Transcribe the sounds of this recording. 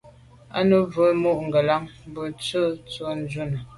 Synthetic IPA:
a̰˦nə˦və˨˦mu˦˨ʔŋ̩˨ɡə˨la˦ŋ˦bə˦˨t͡sə˦t͡swo˦n˦d͡ʒu˦nə˨

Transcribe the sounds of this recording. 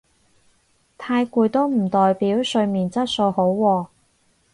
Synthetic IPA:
t̪ʰaː˧jkuː˧jt̪o˥wm̩˨˩t̪ɔː˨jpiː˨˥wsɵ˧ɥmiː˨˩nt͡sɐ˥t̚so˧who˨˥wwɔː˧

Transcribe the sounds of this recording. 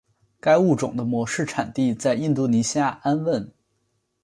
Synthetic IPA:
ka˥ɪu˥˩ʈ͡ʂʊ˨˩ŋd̪ə˦mwɔ˧˥ʂɻ̩˥˩ʈ͡ʂʰa˨˩nt̪i˥˧t͡sa˥˧ɪi˥˧nt̪u˥˩ni˧˥ɕja˥˩a˥nwə˥˩n

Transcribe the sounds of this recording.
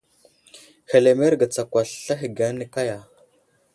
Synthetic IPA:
xe˨le˨me˦ɾɡa˨t͡sa˨kʷa˨ɬɬa˦xi˨ɡa˦nə˦ka˦ja˨

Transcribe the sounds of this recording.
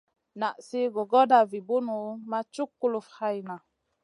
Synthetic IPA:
na˨ʔsi˦ɡo˨ɡɔ˦da˨vi˨bu˦nu˨˦ma˦t͡ʃu˦kːu˦lu˨fha˦i˨na˨

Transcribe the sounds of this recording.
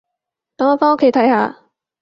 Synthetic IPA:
t̪ɐ˨˥ŋɔː˨˩faː˥no˥kʰːe˨˥jt̪ʰɐ˨˥jhaː˨˧

